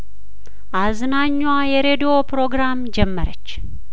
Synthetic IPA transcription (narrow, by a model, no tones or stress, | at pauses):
ʔaznaɲːwajɛɾed̪opɾo̞ɡɾamd͡ʒɛmːəɾət͡ʃː